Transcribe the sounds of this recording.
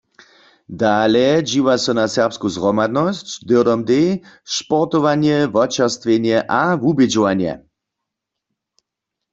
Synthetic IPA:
d̪aːlɛd͡ʒiwasɔnasɛʁpskuzʁɔmad̪nɔst͡ɕd̪ɪdɔmd̪eʃpɔʁt̪ɔʋanjɛvɔt͡ʃaʁst̪ʋjenjɛʔavubɪd͡ʒɔʋanjɛ̰

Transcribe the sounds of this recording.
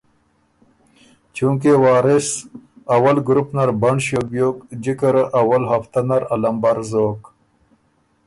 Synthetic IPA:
t͡ʃũːk̬ewaːɾis | ɐwɐlɡɾupnɐɾbɐɳɕjoɡjoːkd͡ʑikəɾʔɐwɐlɦɐft̪ɐnɐɾɐlɐmbɐɾzoːk

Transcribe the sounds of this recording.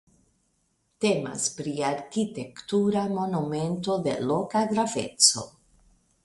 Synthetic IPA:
te̞ma̰spɾiaɾkite̞ktuɾamo̞nume̞nto̞de̞̰lo̞kaɡɾave̞̰t͡so̞̰

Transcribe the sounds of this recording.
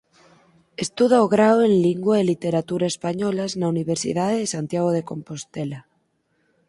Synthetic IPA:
est̪uðaoɣɾawenliŋɡwaelit̪eɾat̪uɾaespaɲolaznauniβ̞eɾsḭðaðeðesant̪jaɣ̞oðeko̞mpost̪ela

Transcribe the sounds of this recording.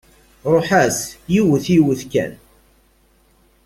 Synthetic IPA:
ɾˤoħæsjiwəθiwəθkæ̰n

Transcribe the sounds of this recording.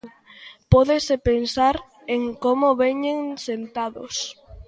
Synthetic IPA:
pɔðesepensaɾ | eŋkomʊβeɲeŋsent̪aðʊ̰s

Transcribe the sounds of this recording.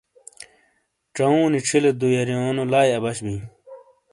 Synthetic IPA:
ʈ͡ʂɐũːniʈ͡ʂʰiled̪ujɐɾjoːnolaːjɐbɐɕbĩː

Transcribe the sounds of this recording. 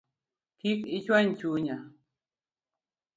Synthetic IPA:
kɪkɪt͡ʃwant͡ʃuɲa

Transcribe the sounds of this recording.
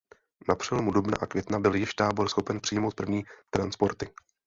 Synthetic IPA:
napr̝̥ɛlomudubna̰ʔakvjɛt̪nabɪljɪʃt̪aːbo̞ɾsxo̞pɛnpr̥ɪjmo̞wt̪̚pr̩vɲiːt̪ɾanspo̞ɾt̪ɪ

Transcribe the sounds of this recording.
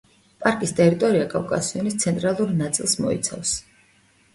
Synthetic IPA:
pʼaɾkʼist̪ʼɛɾit̪ʼɔɾiakʼavkʼa̰siɔnist̪sʰɛnt̪ʼɾalˠuɾnat̪sʼilˠsmɔ̰ḭt̪sʰa̰fs

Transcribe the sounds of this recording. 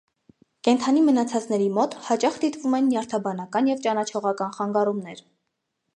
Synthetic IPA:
kɛnt̪ʰɑnimənɑt͡sʰɑt͡snɛɾimɔt̪hɑt͡ʃɑχd̪it̪vumɛnːjɑɾt̪ʰɑbɑn̪ɑkɑnjɛvt͡ʃɑnɑt͡ʃʰɔʁɑkɑnχɑŋɡɑrumnɛɾ

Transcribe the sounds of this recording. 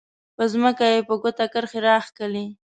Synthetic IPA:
pəzməkajepəɡot̪akəɾxeɾɑxkəli

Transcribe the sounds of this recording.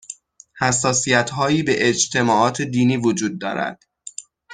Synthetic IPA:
hæsːɒːsijæt̪ʰɦɒːjiːbe̞ʔed͡ʒt̪ʰe̞mɒːʔɒːt̪ʰe̞d̪iːniːvod͡ʒuːd̪̚ːɒ̰ːɾæ̰d̪̥

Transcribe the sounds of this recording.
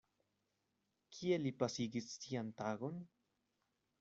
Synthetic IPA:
kʰielipasiɡit͡st̪iant̪aɣon

